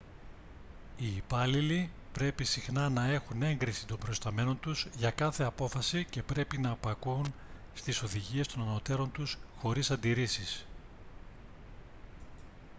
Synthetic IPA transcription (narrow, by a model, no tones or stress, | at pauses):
iːpɐlilipɾe̞pisixnɐnɐe̞xune̞ŋɡɾisit̪o̞mbɾo̞st̪ɐme̞no̞nt̪uzʝɐkɐθe̞ɐpo̞fɐsice̞pɾe̞pinɐːpɐkun | st̪iso̞ðiʝie̞st̪o̞nɐno̞t̪e̞ɾo̞nt̪usxo̞ɾisɐnd̪iɾisis